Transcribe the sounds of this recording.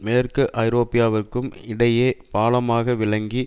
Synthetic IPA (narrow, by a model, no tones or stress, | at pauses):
meːrkɯʔɐɪɾoːpɪjaːʋɐrkɯmɪɽɐjeːpaːlɐmaːɣɐʋɪɭɐŋɡi